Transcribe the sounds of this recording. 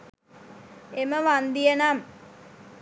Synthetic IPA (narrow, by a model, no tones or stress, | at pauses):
eməʋand̪ijənam